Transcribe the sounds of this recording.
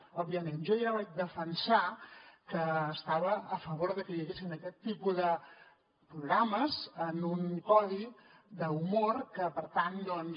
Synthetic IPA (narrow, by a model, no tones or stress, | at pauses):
ɔbijəmenʒɔjaβat͡ʃd̪əfənsakəːst̪aβəːfəβoɾðəkəiəɣesinəkɛt̪ːipuðə | pɾuɣɾaməzənuŋkɔlid̪əumoɾkəpəɾt̪and̪ɔn